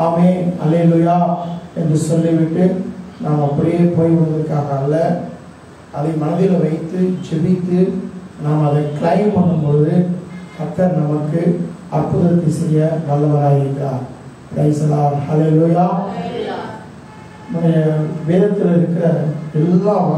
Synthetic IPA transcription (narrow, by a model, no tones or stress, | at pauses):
aːmeːhɐ̰leːlujaːɛndrɯsɔlːiʋɪʈːɯnaːmɐpːʊɾɐjeːpoːjʋɐnd̪ɐɾkːaːɣɐːlːɐ | ʔɐðɐɪmɐnɐðɪlɐʋɐɪt̪ːɯd͡ʒɛbɪt̪ːɯnaːmɐɐðɐɪkɪlɐɪmpɐnːɯmpoːðɯɐt̪ːɐɾnɐmɐkːɯ | ɐrpːʊðɐɾk̪ːɪsɛjːɐnɐlːɐʋɐɾaːjɪɾɯkːaː | pɾɐɪsɐlaːmhɐlelujaː | mɐnɐɐʋeːðɐt̪ːɪlɪɾɯkːɪɾɐɛlːaː